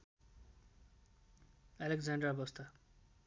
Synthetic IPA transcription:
alekd͡zaɳɖrabʌst̪ʰa

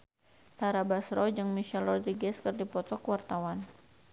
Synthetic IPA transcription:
t̪aɾabasɾɔd͡ʒɨŋmiʃɛlɔd̪ɾiɡɛskərdipɔt̪ɔkwart̪awan

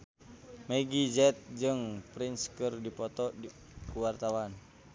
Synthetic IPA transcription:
meɡid͡ʒɛt̪̚d͡ʒɨŋpɾinskɨrdipɔt̪ɔ | kuwart̪awan

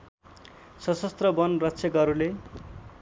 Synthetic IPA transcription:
sʌsʌst̪rʌbʌnrʌtsʰʌkʌɾule

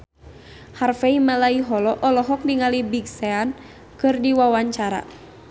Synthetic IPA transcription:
harfɛimalaiɦɔlɔʔɔlɔɦɔk̚diŋalibiɡsɛan | kɨrdiwawaɲt͡ʃaɾa̰

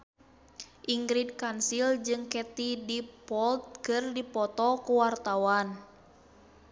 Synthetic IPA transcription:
ʔiŋɡɾid̚kansild͡ʒɨŋkɛt̪idipɔlt̪̚kɨrdipɔt̪ɔkuwart̪awan

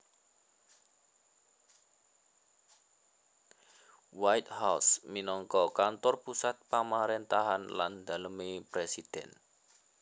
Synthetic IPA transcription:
wajt̪̚hawsminɔŋkɔkant̪ɔrpusat̪̚pamaɾent̪aɦanla̰nd̪a̤ləmepɾesid̪̥ɛn

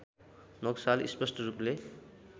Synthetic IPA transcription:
nʌɡsalispʌsʈʌruple

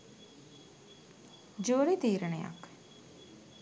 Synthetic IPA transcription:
d͡ʒoːɾit̪iːɾəneja̰k

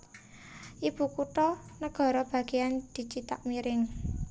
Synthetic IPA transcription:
ʔib̥ṳkut̪ɔnəɡ̥ɔ̤ɾɔb̥a̤ɡ̥eand̪̥i̤t͡ʃit̪a̰k̚miɾɪŋ

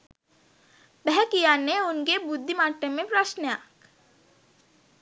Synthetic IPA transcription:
bɛɦɛkijaːneʊnkebʊd̪ʱːimaːʈəmẽpɾaʃnjaːk

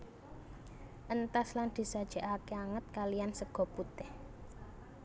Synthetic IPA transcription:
ʔənt̪asland̪̥i̤sad̥ʒ̥ɛ̤ʔakeaŋət̪̚kalijansəɡ̥ɔ̤put̪ɪh

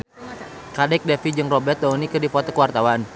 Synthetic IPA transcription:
kadɛk̚dɛfid͡ʒɨŋrɔbɛt̪̚dɔunikɨrdifɔt̪ɔkəwart̪awan

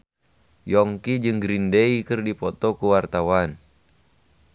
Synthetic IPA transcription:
jɔŋkid͡ʒɨŋɡɾindɛikɨrdipɔt̪ɔkuwart̪awan

